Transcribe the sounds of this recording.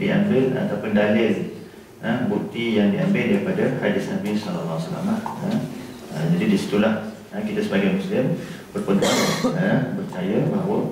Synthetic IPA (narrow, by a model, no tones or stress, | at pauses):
dḭʔa̰mbɪla̰t̪awpʊndalɪl | ənbuk̚t̪ijaŋdiambɪldaɾipadahadɪsnabisɔlalːawasala̰mlahə | ə̰d͡ʒadidisi̥t̪ulah | əkit̪asəbaɡajmũslɪmbərpəŋɡ̪a̰əbərt͡ʃajəbaɦwə